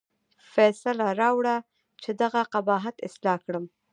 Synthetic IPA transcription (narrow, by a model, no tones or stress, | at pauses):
fɛsalaɾɑwɽa | t͡ʃed̪aɣaqabɑɦat̪ɪ̰slɑkɽəm